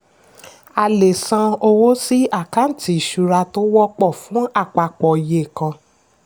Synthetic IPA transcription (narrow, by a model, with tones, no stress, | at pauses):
a˧le˨sã˧o˧wo˦si˦a˦˨ka˨˦n̩˦˨ti˨˦i˨ʃu˨˧ɾa˧to˦wɔ˦k͡pɔ˦˨fũ˨˦a˦˨k͡pa˨˧k͡pɔ˨i˨je˨kã˧